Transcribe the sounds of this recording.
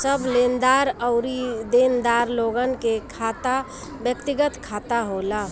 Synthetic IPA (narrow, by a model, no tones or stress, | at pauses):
səblend̪aɾəʊɾid̪end̪aɾloɡənkekʰat̪a | bjəkt̪iɡət̪kʰat̪aɦola